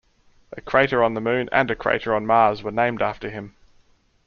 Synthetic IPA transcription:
ʔəkʰɹ̥eɪɾəɹə̃nðəmʉ̃ːnʔə̰̃nəkʰɹ̥ḛɪɾəɹə̃nmɑːzwənẽɪ̃mdɑˑftəɪ̃m

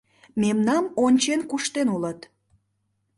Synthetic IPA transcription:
memnɑmonʲt͡ɕenkuʃt̪enulət̪

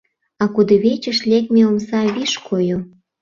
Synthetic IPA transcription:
ɑkud̪oβet͡ɕəʃlʲekmeomsɑβiʃkʰojo

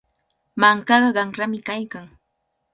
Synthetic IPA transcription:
maŋkɑɢɑɢɑŋɾamɪkajkaŋ

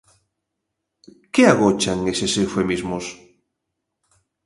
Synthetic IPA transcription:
keaɣot͡ʃaŋesesefemizmos

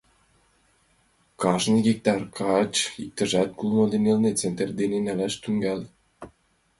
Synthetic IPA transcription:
kɑʒniɣik̚t̪ɑrkʰɑt͡ɕik̚t̪ə̆ʒæt̪̚kulˠmod̪enelnet͡sent̪ərd̪enenælæʃt̪yŋɡæl

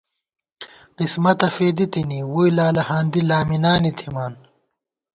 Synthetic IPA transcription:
qismɐt̪ɐfeːd̪it̪iniwujlaːlɐhaːnd̪ilaːminaːnit̪ʰimaːn

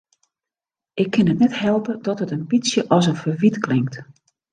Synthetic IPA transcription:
ʔɪkʰːɪnɦətnɛthɛlˠpədɔtɦətambit͡sjəʔɔs̬ənfərʋitklɪŋkt

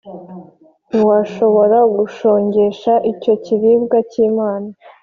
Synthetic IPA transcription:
niwaʃo̞βo̞ɾaɡuʃo̞ːɲɟe̞ʃaʔico̞ciɾibɡaciːmaːna

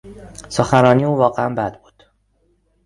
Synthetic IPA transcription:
soxæɾɒːniːuːvɒːɣeæmbæd̪̚buːd̪̥

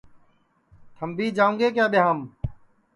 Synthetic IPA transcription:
t̪ʰəmbiːd͡ʒaːũːŋɡeːk̬jaːɓɪɦaːm

